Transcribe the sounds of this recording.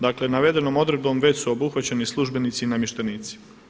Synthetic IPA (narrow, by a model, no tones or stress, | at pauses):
d̪akle̞naʋe̞d̪e̞no̞mo̞d̪ɾe̞d̪̚bo̞mʋe̞t͡ɕsuo̞buxʋat͡ɕenislˠuʒbe̞nit̪sinamjeʃt̪eniːt̪si̥